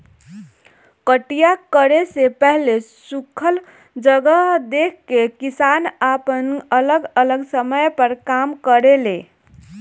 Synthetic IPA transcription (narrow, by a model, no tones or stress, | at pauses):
kəʈijakəɾesepəɦlesukʰəl | d͡ʒəɡəɦd̪ekʰkekisanapənələɡələɡsəməjpəɾkamkəɾele